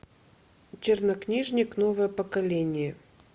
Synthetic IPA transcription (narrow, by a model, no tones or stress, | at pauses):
t͡ɕɪrnɐknʲiʐnʲɪknovəjəpəkɐlʲenʲɪjə